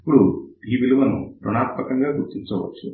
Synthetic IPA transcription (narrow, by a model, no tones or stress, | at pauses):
ɐpuɽuiːʋiluʋɐnṵpɾɔɳaːt̪mɐkɐŋɡaːɡuɾt̪ːiɲt͡ʃɐʋɐ̰tːu